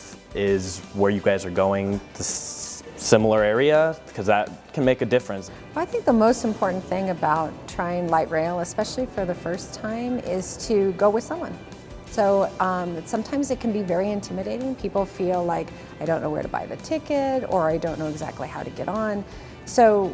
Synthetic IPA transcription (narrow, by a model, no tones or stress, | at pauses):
ɪzwə˞jɨɡaɪzə˞ɡoʊɪ̃ŋðɨssɪ̃ml̩ˠə˞ɛɹiəkʰʌzðət̚kʰɨ̃n̩meɪkɨdɪfɹɨ̃ns | waɪθɪ̃ŋk̚ðəmoʊstm̩pʰɔɹʔn̩θɪ̃ŋɨbaʊtʰɹ̥aɪɪ̃ŋlaɪʔ̚ɹeɪlˠəspɛʃl̩ˠifə˞ðɨfɜ˞stʰãɪ̃mɪz̥tʰɨɡoʊwɨð̥sʌ̃mwʌ̰̃n | soʊʌ̃msʌ̃mtʰãɪ̃mzɨt̚kʰn̩bivɛɹiɨ̃ntʰɪ̃mɨɾeɪɾɪ̃ŋpʰipl̩ˠfilˠlaɪk | aɪɾõʊ̃nːoʊwə̰˞ɾəba̰ɪðɨ̰tʰɪkɨɾə˞aɪdõʊ̃nːoʊɨɡzæ̰k̚tˡlihaʊɾɨɡɛ̰ɾn̩ | soʊ